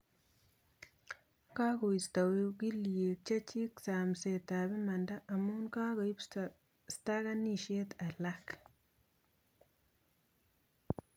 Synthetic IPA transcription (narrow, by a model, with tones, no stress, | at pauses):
ka˦ko˨i˨sta˨we˦ki˦lie˨t͡ʃa˦t͡ʃi˦ksa˨m˨se˨ta˨βi˦ma˨nda˦ʔːmu˦nka˦ɣoi˦p | sta˦ɣa˦ni˦˨ʃe˦ta˨lak